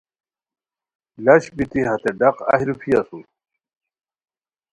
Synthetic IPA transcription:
lɐɕbit̪iɦɐt̪eɖɐqa̰hiɾufʰijasu

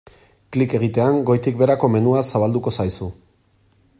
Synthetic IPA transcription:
klike̞ɣ̞it̪e̞aŋɡo̞jt̪ikbe̞ɾako̞me̞nuasaβald̪uko̞sajsu

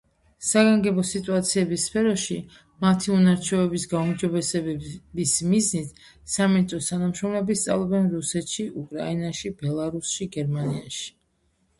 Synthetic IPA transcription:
saɡaŋɡɛbɔsit̪ʼuat̪sʰiɛbisːpʰɛɾɔʃi | mat̪ʰiunaɾt͡ʃʰɔɛbisɡaumd͡ʒɔbɛsɛɛbismiznit̪ʰ | samit̪sʼɔst̪ʰanamʃɾɔmlɛbist̪sʼa̰lˠɔbɛnɾusɛt̪ʃiʔukʼɾa̰inaʃibɛlˠaɾusʃiɡɛɾmaniaʃi̥

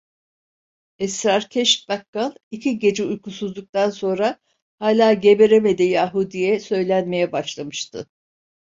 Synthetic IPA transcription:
ɛsɾaɾcʰɛʃt̪̚bakːanˠicʰiɟe̞d͡ʒɛujkusuzd̪ˠuk̚t̪ʰanso̞nɾa | haːlʲaːɟe̞be̞ɾeme̞d̪ejjaɦud̪ijɛsø̞jlʲænme̞jɛbaʃlˠamɯʃt̪ʰɯ̰

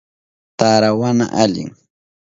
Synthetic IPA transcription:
t̪aɾawana̰ʔaʎɪ̰ŋ

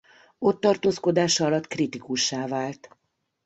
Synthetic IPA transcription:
o̞t̪ːɒrt̪oːsko̞d̪aːʃɒlɒt̪krit̪ikuʃːaːvaːlt̪

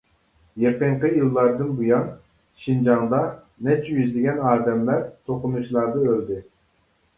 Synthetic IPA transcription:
jeqəɴqəjilˠːɑɾd̪ɨnbujɑn | ʃind͡ʒɑŋd̪ɑ | nɛt͡ʃʰyjyzlɪɡʲɛnɑːd̪ɛmlæɾt̪ʰoqʊnuʃlˠɑɾd̪ɨøld̪ɪ

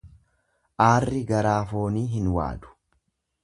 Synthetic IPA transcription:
ʔaːrːɪɡɐɾaːfo̞ːniːɦɪnwa̰ːᶑ̪ʊ̥

